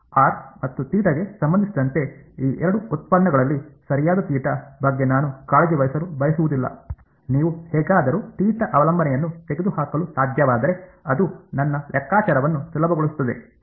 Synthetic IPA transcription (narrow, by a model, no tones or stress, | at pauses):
aːɾmɐt̪ːut̪iːʈɐɡe̞sɐmbɐnd̪isid̪ɐnt̪e̞iːʔɛɾɐɽuut̪̚pɐnːɐɡɐɭɐlːisɐɾijaːd̪ɐt̪iːʈɐbɐɡːe̞naːnukaːɭed͡ʒiʋɐjɐsɐɾubɐjɐsuʋud̪ilːɐ̰ | niːʋuhɛːɡaːd̪ɐɾut̪iːʈɐʔɐʋɐlɐmbɐnɛjɐnːut̪e̞ɡed̪uhaːkɐlusaːd̪ʱjɐʋaːd̪ɐɾe̞ɐd̪unɐnːɐlʔɛkːaːt͡ʃaːɾɐʋɐnːusilɐbɐɡoɭust̪ːɐd̪e̞